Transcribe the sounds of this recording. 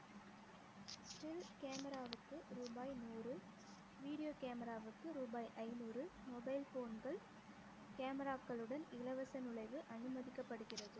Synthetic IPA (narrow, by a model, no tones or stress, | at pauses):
tɪlkaːmɐɾaːʋɯkːɯɾuːbaːjnuːrɯ | ʋiːɽɪjoːkaːmɐɾaːʋɯkːɯɾuːbaːjʔɐɪnuːrɯmɔbɐɪlfoːnɡɐɭ | kaːmɐɾaːkːɐɭɯɽɐnɪlɐʋɐsɐnɯɭɐɪʋɯʔɐnɯmɐðɪkːɐpːɐɽɯɣɪrɐðɯ